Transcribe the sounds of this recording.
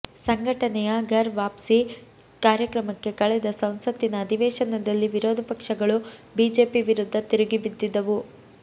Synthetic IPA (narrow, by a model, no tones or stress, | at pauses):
sɐŋɡʱɐʈɐnɛjɐɡʱɐɾʋaːpsi | kaːɾjɐkɾɐmɐkːe̞kɐɭɛd̪ɐsɐ̃w̃sɐt̪ːinɐːd̪ʱiʋɛːʂɐnɐd̪ɐlːiʋiɾɔːd̪ʱɐpɐkʂɐɡɐɭubiːd͡ʒe̞ːpiʋiɾud̪ʱːɐt̪iɾiɡibid̪ːid̪ɐʋu